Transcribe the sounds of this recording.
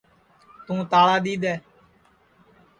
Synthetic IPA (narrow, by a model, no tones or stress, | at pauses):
t̪ũːt̪aːɽaːd̪iːd̪ɛː